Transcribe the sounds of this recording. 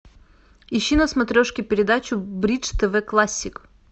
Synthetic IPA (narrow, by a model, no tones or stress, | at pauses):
ɪɕːinɐsmɐt̪ɾʲoʂkʲɪpʲɪɾʲɪd̪at͡ɕʊbɾʲit͡ʂt̪əvɛklˠasʲːɪk